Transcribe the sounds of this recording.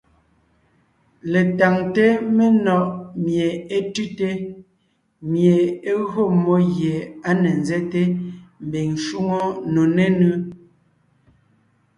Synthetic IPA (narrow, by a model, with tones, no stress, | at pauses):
le˨ta˨ŋte˦me˦nɔ˨ʔmje˨e˦tʉ˦te˦ | mje˨e˦ɣɰo˦˨mo˦ɣje˨a˦ne˨nzɛ˦te˦m̩˨be˨ŋʃu˦ŋo˦no˨ne˦nʉ˦